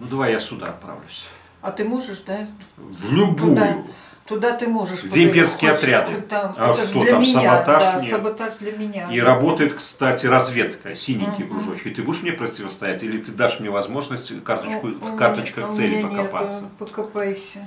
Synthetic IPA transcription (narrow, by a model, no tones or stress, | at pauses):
nud̪ɐvajjasʲʊd̪a̰ɐ̰t̪̚pɾa̰vlʲʊsʲ | ɐt̪ɨmoʐɨʂd̪avlʲʊbujʊ̰ | t̪ʊd̪at̪ɨmoʐɨʂɡdʲeɪmpʲerskʲɪəɐt̪ɾʲad̪ɨaaʂt̪ot̪ʲamsəbɐt̪aʂmnʲəbɐt̪azʲd̪lʲɐmʲɪnʲaiɾɐbo̞t̪əjɪt̪kst̪atʲɪɾɐzvʲe̞t̪kə̰sʲinʲɪŋʲkʲɪjɡɾʊʐo̞t͡ɕkʲɪt̪ɨbud̪ɪʂmnʲepɾətʲɪvəst̪ɐjætʲilʲɪt̪ɨd̪aʂmnʲevɐzmo̞ʐnəsʲtʲkart̪ət͡ɕkʊfkart̪ət͡ɕkəxsɛlʲɪpəkɐpa̰tssəpəkɐpajɪsʲə